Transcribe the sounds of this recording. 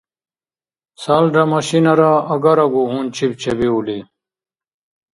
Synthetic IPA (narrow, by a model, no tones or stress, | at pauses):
saːlɖɐmɐɕinɐɾaɐɡɐɾɐɡuɦũːnt͡ɕʰib̚t͡ɕʰebiuli